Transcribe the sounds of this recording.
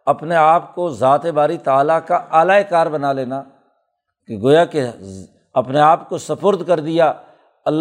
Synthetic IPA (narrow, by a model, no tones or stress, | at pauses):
ɐpneaːp̚kozaːt̪ebaːɾit̪aːlakaaːlaːekaːɾbɐnaleːnaː | keɡoːjake | ɐpneaːpkosɐpəɾd̪kɐɾd̪ɪjaː | ɐlː